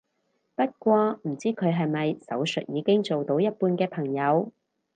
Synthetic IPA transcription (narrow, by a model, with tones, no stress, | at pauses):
pɐ˥t̚kʷɔː˧m̩˨˩t͡siː˥kʰɵ˨˧ɥɦɐ˨jmɐ˨jsɐ˨˥wsɵ˨t̚jiː˨˧kɪ˥ŋt͡so˨wt̪o˨˧˥wjɐ˥t̚puː˧nkɛː˧pʰɐ˨˩ŋjɐ˨˧w